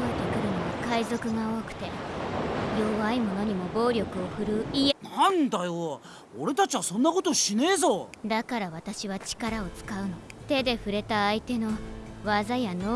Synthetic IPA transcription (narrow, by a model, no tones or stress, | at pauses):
ot̪ekɯ̟ɾɯ̟noβakaizo̞kɯ̟ɡao̞ːkɯ̟̥t̪e̞ | jo̞βaimo̞no̞ɲ̟imo̞bo̞ːɾʲo̞kɯ̟o̞ɸɯ̟ɾɯ̟inãnd̪ajo | oɾe̞t̪at͡ɕiβasõ̞nːakot̪oɕineːzod̪akaɾaβat̪aɕiβat͡ɕi̥kaɾao̞t͡sɨ̥kaɯ̟no̞t̪e̞d̪e̞ɸɯ̟ɾe̞t̪aːit̪e̞no̞βazajano